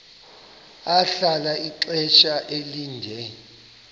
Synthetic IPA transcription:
aɬalaiǃɛt͡ʃʼaʔeliːndʱɛ

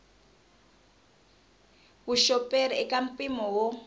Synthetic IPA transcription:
βuʃɔpʼeɾiɛkʼam̩pʼimɔwɔ

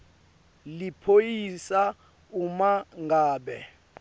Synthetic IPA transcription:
lipʰojisa | umaŋʱaːɓɛ

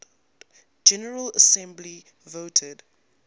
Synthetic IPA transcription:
d͡ʒɛnəɹələsɛ̃mbli | voːtʰəd

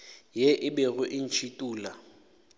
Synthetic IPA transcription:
jeʔɪbɛɣʊʔɪn̩t͡ʃʰitʼuːla

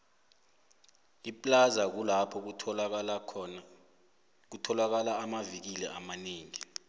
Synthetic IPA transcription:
ipʼlazak̬ulapʰɔ | k̬utʰɔlak̬alaːmavik̬ilɛ̰ʔamaneːŋi

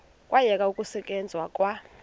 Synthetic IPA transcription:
kʼwʔajɛk̬ʼaukʼusɛk̬ʼɛnd͡zʱwakʼwa

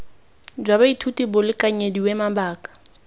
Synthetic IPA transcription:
d͡ʒwabaitʰutibʊlɪkaɲediwemabaːkḁ

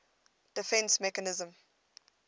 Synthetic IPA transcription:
d̥ɪfɛ̃nsmɛkənɪzə̃m

